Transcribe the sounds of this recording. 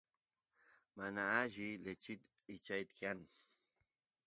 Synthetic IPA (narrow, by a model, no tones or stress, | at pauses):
manaːʒɪlet͡ʃɪt̪ | ɪt͡ʃajt̪kan